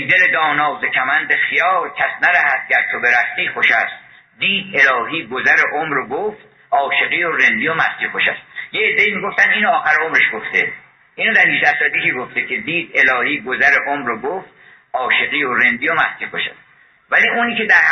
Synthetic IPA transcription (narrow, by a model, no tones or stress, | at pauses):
d̪eled̪ɒːnɒːzekʰæmænd̪exijɒːɾkʲʰæsnæɾæhæt̪̚ɟæɾt̪ʰobe̞ɾæft̪iːxoʃæ̰st̪̚ | d̪iːd̪e̞lɒːɦiːɡozæɾeʔomɾoɡoft̪̚ | ɒːʃe̞ɣiːoɾend̪ijomæsk̪iːxoʃæ̰st̪jeed̪ːeiːmiːɡo̞ft̪æniːnoɒːxæɾeomɾeʃɡoft̪e | ʔiːnod̪æɾniːʃd̪æsɒd̪ikʰiɡo̞ft̪ekʰed̪iːd̪e̞lɒːhiːɡozæɾeʔomɾoɡoft̪̚ | ʔɒːʃe̞ɣiːoɾe̞nd̪iːomæsk̪ʰiːχoʃæ̰st̪ | væliːuːniːke̞d̪æɾ